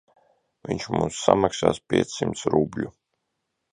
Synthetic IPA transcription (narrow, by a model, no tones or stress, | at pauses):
vʲiɲʲt͡ʃmuːsːa̰maksa̰ːspʲiɛt̪sːimt̪sɾublʲu